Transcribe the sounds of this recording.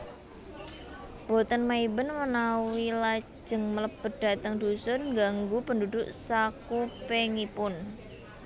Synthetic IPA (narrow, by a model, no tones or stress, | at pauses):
b̥o̤t̪ənmaibənmənawilḁ | d͡ʒʒ̥ə̤ŋmələbə̤d̥a̤t̪əŋd̪̥usʊnŋɡaŋɡupəndudʊʔsakupeŋipʊn